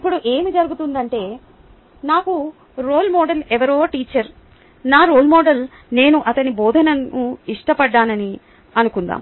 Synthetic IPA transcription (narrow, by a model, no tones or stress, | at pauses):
ipːuɽuʔe̞ːmid͡ʒɐɾuɡut̪und̪ɐɳʈe̞ː | naːku | ɾoːlmɔːɖɐlɛʋɐɾo̞ːʈiːt͡ʃɐɾ | naːɾoːlmɔːɖɐl | ne̞ːnuʔɐt̪ɐnibɔːd̪ʱɐnɐnuiʂʈɐpɐɖːaːnɐni | ɐnukund̪a̰ːm